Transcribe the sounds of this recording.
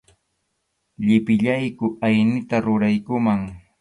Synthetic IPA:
ʎɪpɪʎajkʊajnɪt̪aɾʊɾajkʊmaŋ

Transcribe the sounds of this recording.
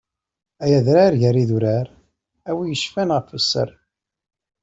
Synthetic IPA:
æjæðɾaɾʝəɾiðuɾæɾ | æwijəʃfænʁəfəsːə̰ɾ

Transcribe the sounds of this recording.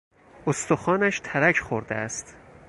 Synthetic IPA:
ost̪oxɒːnæʃt̪ʰæɾæcʰxoɾd̪eæst̪

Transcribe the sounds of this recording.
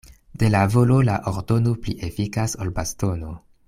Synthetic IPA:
de̞lavolo̞la̰ʔoɾdo̞nopliʔefikasolbasto̞no

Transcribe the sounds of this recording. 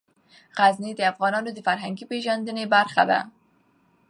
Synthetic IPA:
ɣazned̪əafɣɑnɑnod̪əfaɾɦaŋɡipeʒɑnd̪ənebaɾχa̰d̪a̰

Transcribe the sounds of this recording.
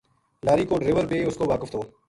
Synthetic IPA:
laːɾiːkoːɖɾɪʋəɾbeːʊskoːʋaːkəft̪ʰoː

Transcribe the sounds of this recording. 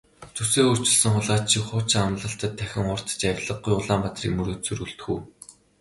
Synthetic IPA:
t͡sʰɵseːɵr̥t͡ɕɪ̆ɮsə̆ŋχʊɮʁaːt͡ɕʰiwχʊːt͡ɕŋamɮə̆ɬt̪ə̆t̪ʰːæxʲɪ̆ŋχʊr̥t̪ə̥̆t͡ɕawʲɮə̆ɢujʊɮaːmpat̪rḭːkmɵɾoːt̪t͡sɵ̆ɾuɬt̪̆xuː

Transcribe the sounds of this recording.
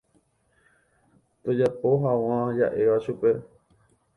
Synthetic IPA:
t̪od͡ʒapo̞ɦaw̃ãja̰ʔe̞ʋaʃupe̞

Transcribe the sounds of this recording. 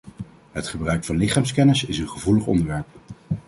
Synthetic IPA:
ɦətχəbrœɥkfɑnlɪχaːmskɛnəsɪsənχəvuləχɔ̰ndəɹʋɛɹp̚

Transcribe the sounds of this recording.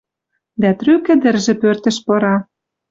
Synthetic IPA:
d̪æt̪rykə̆d̪ə̆rʒĕpørt̪ə̆ʃpɤ̆ɾɑ

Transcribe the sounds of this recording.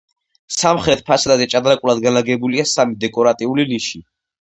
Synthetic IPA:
samχɾɛt̪̚ʰpʰasdazɛt͡ʃʼad̪ɾakʼulˠad̪ɡanlaɡɛbuliasamid̪ɛkʼɔɾat̪ʼiuliliʃi

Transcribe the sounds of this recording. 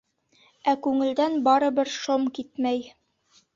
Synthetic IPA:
ækʉŋɘ̆ld̪ænbɑɾɤ̆bɘɾʃomkit̪mæj

